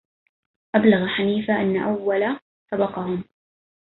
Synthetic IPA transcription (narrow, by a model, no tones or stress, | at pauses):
ʔablaɣaħaniːfaʔanːaʔawːala | sɑbɑqɑhʊm